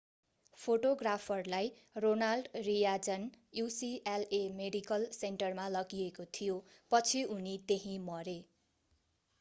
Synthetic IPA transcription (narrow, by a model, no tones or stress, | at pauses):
pʰoʈoɡrapʰʌrlaj | ronalɖrijad͡zʌn | jusielemeɖikʌlseɳʈʌrmalʌɡiekot̪ʰijopʌt͡sʰiunit̪eɦĩmʌɾe